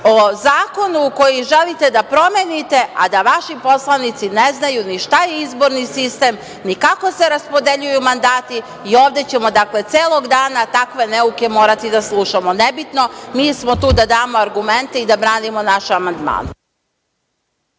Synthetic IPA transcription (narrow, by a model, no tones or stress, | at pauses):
o̞zaːko̞nuko̞jiʒelit̪e̞d̪apɾo̞menit̪e̞ʔa̰d̪aʋaʃipo̞slˠanit̪sineznajuniʃt̪ajeizbo̞ɾnisist̪em | nikako̞se̞ɾaspo̞d̪e̞ʎujumand̪aːt̪iː | o̞ːʋd̪e̞t͡ɕe̞mo̞d̪akle̞t̪seːlˠo̞ɡd̪aːnat̪akʋe̞neuke̞mo̞ːɾat̪id̪aslˠuʃamo̞nebit̪no̞miːsmo̞t̪uːd̪ad̪aːmo̞aɾɡume̞nt̪eid̪abɾaːnimo̞naʃamand̪ma̰ːn